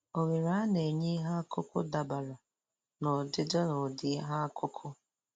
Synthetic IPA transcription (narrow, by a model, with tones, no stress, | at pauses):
o˨ɣe˨ɾa˦ne˨ɲe˦ɦa˦kʰʊ˦kʊ̰˦da˨ba˨la˨ | nɔ˨dɪ˦dɔ˦nɔ˨dɪ˦ɦa˦kʰʊ˦kʰʊ˦